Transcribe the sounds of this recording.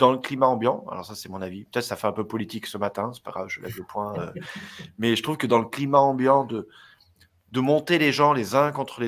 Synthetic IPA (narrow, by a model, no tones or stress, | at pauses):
d̪̥ɑ̃ləklimaɑ̃bjɑ̃a̰lɔ̰ʁsasɛmɔ̃navipət̪ɛt̪χəsafɛɛ̃pøpɔlit̪iksəmat̪ɛ̃sɛ̥pa̰ɡ̥ʁavʒəlɛ̰vləpwɛ̃ø | mɛʒət̪χuvkəd̪ɑ̃ləklimaɑ̃bjɑ̃d̪ə | d̪əmɔ̃t̪eleʒɑ̃lezɛ̃kɔ̃t̪χəle